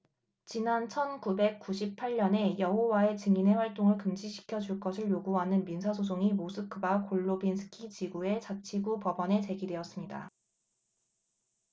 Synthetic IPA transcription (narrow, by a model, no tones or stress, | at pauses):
t͡ɕinant͡ɕʰʌnkube̞k̚k͈uɕʰip̚pʰaʎɲʌne̞jʌɦowae̞t͡ɕɯŋine̞ɸwaɭt͈oŋɯɭkɯmd͡ʑiɕʰi̥kʰjʌd͡ʑuɭk͈ʌsʰɯɭjoɡuɦanɯnminsʰasʰos̬ʰoŋimosʰɯkʰɯbakʰoɭːobinsʰɯ̥kʰit͡ɕiɡue̞t͡ɕat͡ɕʰiɡupʌbʌne̞t͡ɕe̞ɡidwe̞ʌs͈ɯmɲida̰